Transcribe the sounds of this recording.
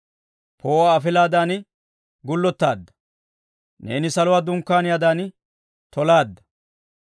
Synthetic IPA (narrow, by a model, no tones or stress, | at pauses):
pʰoːwaːfɪlaːd̪aːn | ɡʊlːɔt̪ːaːd̪ːɐ̥ | ne̞̰ːnɪsɐlɔwaːd̪ʊŋkːaːnɪjaːd̪aːn | t̪ʰɔlaːd̪ːɐ̥